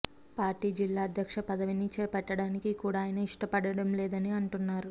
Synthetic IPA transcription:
paːɾʈiːd͡ʒilːaːɐd̪ʱjɐkʂɐpɐd̪ɐʋinit͡ʃɛːpɐʈːɐɽaːnikikuːɽaːjɐnɐiʂʈɐpɐɽɐɽɐmlɛːd̪ɐniɐɳʈunːaːɾu

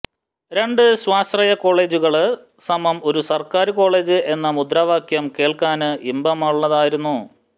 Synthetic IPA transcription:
ɾe̞ɳɖɨɕwaːst̪rɐjɐko̞ːɭe̞ːd͡ʑuɣɐɭ | sɐmɐmo̞ɾusɐrkaːɾɨko̞ːɭe̞ːd͡ʑɨe̞nːɐmud̪rɐʋaːkjɐmke̞ːɭkaːnɨʔimbɐmaːɭuɭːɐðaːjiɾunːu

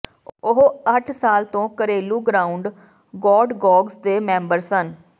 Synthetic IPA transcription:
ʊɦəʈʰsaːlt̪õːkəɾeːluːɡɾaːʊɳɖ | ɡɔːɖɡɔːɡsd̪eːmɛ̃ːmbəɾsən

